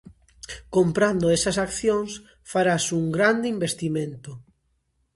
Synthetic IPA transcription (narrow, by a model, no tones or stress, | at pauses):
kompɾand̪oesɐsakθjõŋs | faɾasuŋɡɾand̪ɪimbest̪imẽnt̪ʊ